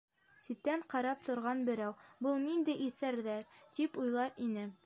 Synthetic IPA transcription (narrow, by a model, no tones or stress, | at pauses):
sit̪ːæɴqɑɾɑp̚t̪ŏɾʁɑnbɘ̆ɾæwbɤlˠnind̪ɘʔiθæɾðæɾt̪ipujlˠɑɾinɘ